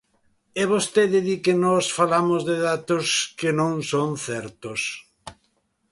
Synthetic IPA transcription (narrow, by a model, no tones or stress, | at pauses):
ɛβost̪eðɪðikenɔsfalamozðɪðat̪oskɪnõŋsõŋθɛɾt̪os